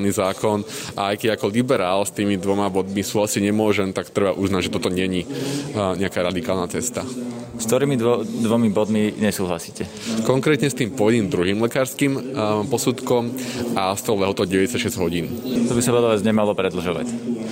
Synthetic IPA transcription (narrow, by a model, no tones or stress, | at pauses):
niːzaːkʰɔnʔaajkɛɟakɔlibɛɾaːlst̪iːmid̪ʋɔmabɔd̪misuːɦlasiɟɲɛmʊɔʒɛmt̪akt̪ɾɛbaʔuznaɟʒɛt̪ɔt̪ɔɲɛɲi | ɲɛakaːɾad̪ikaːlˠnat͡sɛst̪a | skt̪ɔɾiːmid̪ɔd̪ʋɔmibɔd̪miɲɛsuːɦla̰siːcɛ | kɔŋkɾɛːt̪ɲɛst̪iːmpɔjd̪iːmd̪ɾuɦiːmlɛkaːɾskimpɔsut̪kɔmast̪ɔʊlɛɦɔt̪ɔʊɟɛʋɛɛsacʃɛzɟɦɔɟiːnt̪ɔbisaʋɛlaʋjɛd͡zɲɛmalɔpɾɛd̪l̩ʒɔʋa̰c